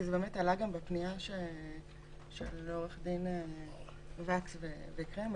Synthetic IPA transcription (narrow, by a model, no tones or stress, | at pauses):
izebeːmetalaɡambepniaʃe | ʃeleo̞ʁeχd̪ine | vaksvevekʁem